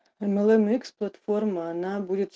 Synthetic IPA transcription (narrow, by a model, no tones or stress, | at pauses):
ɛmɛlˠɛmiksplˠat̪formɐːnabudʲɪt̪ʲs